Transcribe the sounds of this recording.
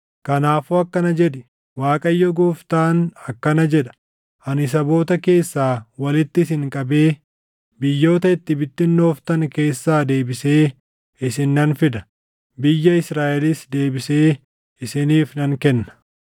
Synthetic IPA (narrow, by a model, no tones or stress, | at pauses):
kɐnaːfuːɐkːɐnɐd͡ʒɛᶑɪ | waːkʼɐjːɔɡuːft̪aːnɐkːɐnɐd͡ʒɛᶑɐ̥ | ʔɐnɪs̬ɐbo̞ːt̪ɐke̞ːsːaːwɐlɪt̪ːɪs̬ɪŋkʼɐbe̞ː | bɪjːo̞ːt̪ɐɪt̪ːɪbɪt̪ːɪnːoːft̪ɐŋke̞ːsːaːd̪e̞ːbɪse̞ː | ɪsɪnːɐnfɪd̪ɐ̥ | bɪjːɐɪsɾaːʔɛlɪsd̪e̞ːbɪse̞ː | ɪsɪniːfnɐŋkɛnːɐ̥